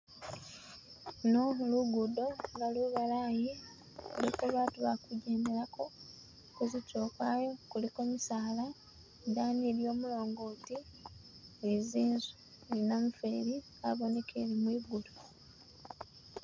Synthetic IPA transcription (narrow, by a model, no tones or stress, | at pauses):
noluɡudo̞ŋɡaluβalaːji | olikuβaːtuβakuɟe̞ːnde̞ɾako̞ | kuzico̞ːkwaːjo̞kuliko̞misaːla | daːnieljo̞ːmulo̞ːŋɡoːti | eiziːnzu̥ | elinamufe̞ːɾi | a̰βo̞ne̞kʰḛɾimwiːɡudo